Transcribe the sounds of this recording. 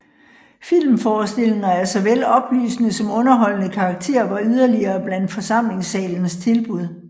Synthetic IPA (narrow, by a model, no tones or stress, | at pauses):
fil̰mfɒːsd̥e̝l̰e̝ŋɐæɐsɒ̽ʋelɒ̽b̥ly̰ːsənəsɒ̽mɔ̽nɐɦɒ̽l̰ənəkʰɑ̈ːɡ̥̚t͡sʰe̝̰ɐ̰ʋɑ̈yð̞ˠɐliɐːb̥læn̰d̥fɒ̽sɑ̈m̰le̝ŋsɛ̰ːln̩st͡sʰe̝lb̥uð̰ˠ